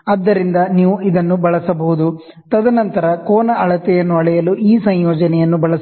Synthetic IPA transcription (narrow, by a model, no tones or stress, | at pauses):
ɐd̪ːɐɾind̪ɐniːʋuʔid̪ɐnːubɐɭɐsɐbɐɦud̪u | t̪ɐd̪ɐnɐnt̪ɐɾɐkoːnɐɐɭɐt̪ɛjɐnːuɐɭɛjɐluiːsɐɲjɔːd͡ʒɐnɛjɐnːubɐɭɐs